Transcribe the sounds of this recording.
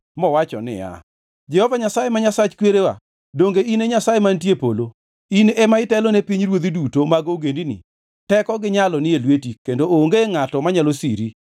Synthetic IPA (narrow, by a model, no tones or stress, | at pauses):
mɔwat͡ʃɔ̰nɪ̰ja̰ | d͡ʒɛhɔvaɲasajemaɲasat͡ʃkweɾewa̰ | doŋɡeineɲasajemantjepolo | inɛmaɪtɛlɔnepiɲɾwod̪idutomaɡoɡendinḭ | tɛkɔɡɪɲalɔnɪelwetikendooŋɡeŋatɔmaɲalosiɾi